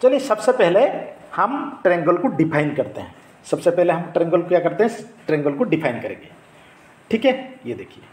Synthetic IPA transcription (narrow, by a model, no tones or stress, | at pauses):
t͡ʃɐlijesɐbsepɛɦlehɐmʈɾɛ̃ːŋɡəlkoɖɪpʰaːɪnkɐɾt̪eɦɛ̃ | sɐbsepɛɦleɦɐmʈɾɛ̃ːŋɡəlkojakɐɾt̪eɦɛ̃ʈɾɛ̃ːŋɡəlkoɖɪpʰaːɪnkɐɾḛ̃ːŋɡe | ʈʰiːkɦɛjed̪eːkʰieː